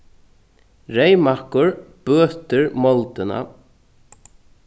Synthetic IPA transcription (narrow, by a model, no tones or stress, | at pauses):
ɾejmahkʊɹb̥œːt̪ɪɹmɔlt̪ɪna̰